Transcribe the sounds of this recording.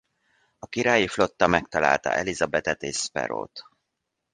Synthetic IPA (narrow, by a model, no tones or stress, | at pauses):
ɒkiɾaːjiflo̞t̪ːɒmɛk̚t̪ɒla̰ːlt̪ɒ̰ʔɛlizɒbɛt̪ɛt̪eːʃspɛ̰ɾo̰ːt̪